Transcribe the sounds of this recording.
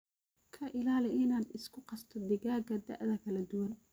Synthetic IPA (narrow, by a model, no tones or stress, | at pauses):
kʰɐʔɪlaːlɪʔɪnaːd̪ɪskʰʊqɑst̪ʰɔd̪ɪɣaːɡɐd̪ɐ̰ʔðɐkʰɐlɐd̪ʊwɐn